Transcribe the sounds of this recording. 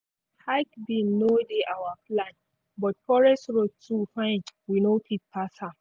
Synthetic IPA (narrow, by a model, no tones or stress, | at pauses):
hakbĩnːodeʔawaplãn | bɔt̚fɔɹɛstɹod̚tʰufãɪ̃nwinopʰit̚pʰasa